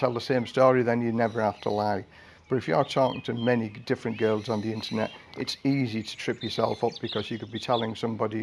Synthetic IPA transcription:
tʰɛlˠðəsẽɪ̃mstɔːɹiðə̃njɨnɛvə˞hæftʰə̰laɪ | b̥ʌɾɨfjəətʰɔːkɪ̰̃ŋtʰɨmɛnidɪfɹɨ̃nɡ̥ɜ˞lˠz̃n̩ðiɪ̃ntʰə˞nɛ̰tɪtsiziɾə̥tʰɹ̥ɪpjə˞sɛ̰lˠfʌp̚b̥ɨkʰʌzjɨkəd̚bitʰɛlˠɪ̃ŋsʌ̃mbɑɾi

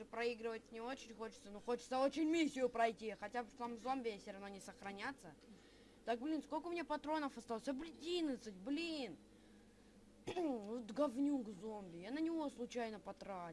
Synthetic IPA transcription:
ɨpɾɐiɡɾɨvət̚ʲnʲɪo̞t͡ɕɪnʲxo̞t͡ɕɪ̥t̪sənuxo̞t͡ɕɪ̥t̪səo̞t͡ɕɪnʲmʲisʲːɪjʊpɾɐjtʲixɐtʲabʂt̪amvzo̞mbʲɪjafsʲɪɾɐvnonʲɪsəxɾɐnʲat̪sːə | t̪ak̚blʲinskolʲkəʊmʲɪnʲeapɐt̪ɾo̞nəfɐst̪alˠsʲɐblʲɪdʲinət̪sɨt̚ʲblʲin | vot̪ɡɐvnʲukzombʲɪjanənʲɪvo̞slˠʊt͡ɕæjnəpɐt̪ɾa

